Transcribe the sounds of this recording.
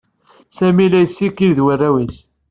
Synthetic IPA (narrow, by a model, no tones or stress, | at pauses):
sæmilæjsːikːiðwərːæwis